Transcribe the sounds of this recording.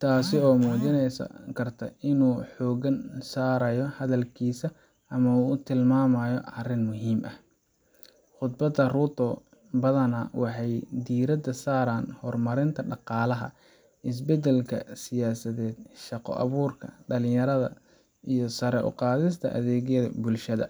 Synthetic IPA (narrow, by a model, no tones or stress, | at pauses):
t̪ʰaːsɪɔːmuːt͡ʃɪnɛskʰɐrt̪ʰɐɪnuːħɔːɣɐnsaːɾɐjɔhɐðɐlkʰiːsɐ | ʔɐmɐuːʊt̪ʰɪlmaːmɐjɔʔɐrɪnmʊɦiːmʔɐh | χʊd̪̚bɐd̪ːɐrʊt̪ʰɔ | bɐðɐnɐwʔɑħɑjd̪iːɾɐd̪ɐsaːɾaːnhɔrmɐɾɪnt̪ʰɐɖɑqɑːlɐɦɐ̰ | ʔɪs̬bɛd̪ɛlkʰɐ̰sɪjaːsɐðɛːd̪̚ʃɑqɔ̰ʔɑ̰βuːrkʰɐɖɐlɪ̃jɐɾɐðɐ̰ | ijɔsɐɾɛʔʊ̰qɑːðɪs̬t̪ʰɐʔɐ̰ðɛːɣjɐðɐbʊlʃɐðɐ